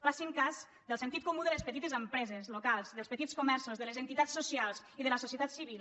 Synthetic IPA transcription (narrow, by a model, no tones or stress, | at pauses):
fasiŋkaz | d̪əlˠsənt̪it̪kumuðələspət̪it̪ezəmpɾɛzezlokalˠzðəlˠspət̪itskumɛɾsozðələzənt̪it̪asːusialˠziðələsosiət̪at̪siβil